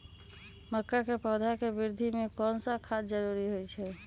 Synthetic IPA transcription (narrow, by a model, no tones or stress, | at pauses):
məkːakepəd̪ʱakebiɾd̪ʱimekɔnsəkʰad͡ʒd͡ʒəɾuɾiɦojt͡ʃʰɛ